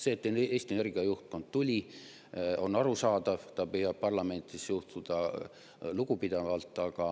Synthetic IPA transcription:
se̞ːt̪ːˑeneːsʲt̪iene̞rɡ̥iɑjuht̪̚ko̞nd̪̥t̪ulʲi | o̞nːɑɾusɑːd̪ɑv̥t̪ɑpyjɑb̚pɑrlɑme̞nt̪ˑisjuht̪ud̪̥ɑ | luɡ̥upid̪̥ɑvɑlt̪ːˑɑɡ̥ɑ

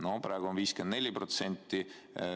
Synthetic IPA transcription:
noprɑːɡ̥uonviːskend̪nelʲiprot̪senʲt̪ːi

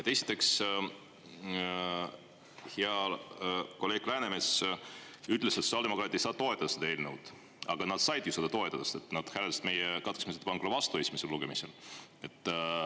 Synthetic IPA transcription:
jɑt̪e̞si̥t̪ːˑe̞ks | heɑ | ko̞le̞ːɡ̥læːne̞mes | yht̪ːˑleset̪so̥sʲiɑld̪eo̞kɾɑt̪ːˑejsɑːt̪o̞et̪ːˑɑd̪ɑsed̪ɑeːlnewd̪̥ | ɑ̰ɡ̥ɑnɑd̪̥sɑjd̪̥jusɑd̪ɑt̪o̞e̞t̪ːˑɑd̪ɑst̪et̪ˑnɑd̪̥hæleɑsd̪me̞jekɑt̪ksmiset̪pɑŋkɾovɑst̪uesʲmiselːuɡ̥e̞mise̞l | e̞t̪ˑː

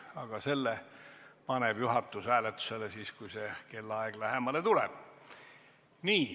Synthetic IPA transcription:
ɑɡ̥ɑse̞lːe | pɑneb̥juɦɑt̪ːˑusæːlet̪ːˑu̥se̞lesiːskujse̞ke̞lːɑeɡ̥læɦemɑlet̪ulḛb̥ | niː

